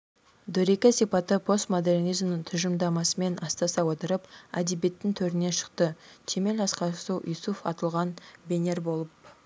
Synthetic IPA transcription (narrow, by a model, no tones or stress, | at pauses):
d̪ɵɾe̞kʲɪsijpɑt̪əpʰo̞st̪mo̞d̪e̞rnijzmnət̪ʰʏʒəmd̪ɑmɑsəme̞nʔɑst̪ɑsɑwo̞t̪əɾəpæ̰d̪ebe̞t̪ːɪŋt̪ʰɵɾɪne̞ʃə̥qt̪ət̪ʲʰe̞me̞lɑsqɑsuwʔijsufɑ̰t̪əlˠʁɑnbʲe̞ne̞ɾbo̞lˠəp̚